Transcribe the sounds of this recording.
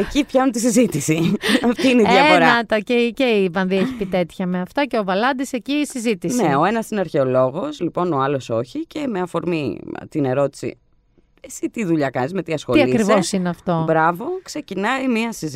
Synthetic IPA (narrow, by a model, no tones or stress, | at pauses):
ecipçɐnunt̪isizit̪isiɐft̪iineiʝɐfoɾɐɐt̪ɐceceivɐnðieçi̥pit̪e̞t̪çɐmeɐft̪ɐceovɐlɐnd̪ise̞ciːsizit̪isneo̞e̞nɐsineɐɾçe̞o̞lo̞ɣo̞slipo̞no̞ɐlo̞so̞çice̞me̞ɐfo̞ɾmit̪ine̞ɾo̞t̪i̥sḭ | e̞sit̪iðuʎɐkɐnizme̞t̪iɐsxoiɐkɾivosineɐft̪o̞bɾɐvo̞kse̞cinɐimiɐsiz